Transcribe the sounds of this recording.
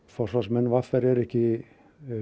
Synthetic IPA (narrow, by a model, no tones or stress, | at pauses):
fɔr̥sasmɛnːvafaɾɛɾɛhcɪ